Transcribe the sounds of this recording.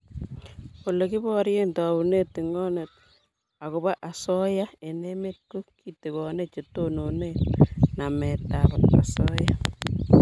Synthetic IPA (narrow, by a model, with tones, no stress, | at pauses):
o˨le˨ki˦bɔ˦ɾje˦nta˨u˨ne˦ti˨ŋɔ˦ne˨t̚ | a˨kʊ˨ba˦ʔa˨sɔ˦ja˦e˨ne˦me˦t̚ko˦ki˨ti˨ɣɔ˨ne˦t͡ʃe˨to˦no˨nenamɛ˨ta˨baa̰˨sɔ˦ja˦